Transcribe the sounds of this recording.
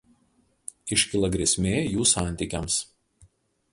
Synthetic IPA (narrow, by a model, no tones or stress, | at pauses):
ɪʃʲkʲɪlˠɐɡɾʲɛsʲmʲeːjuːsɑˑnʲt̪ʲiˑkʲɛms